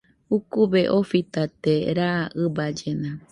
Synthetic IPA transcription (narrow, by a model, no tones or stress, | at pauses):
ukubeʔofit̪at̪eɾaʔɨbad͡ʒena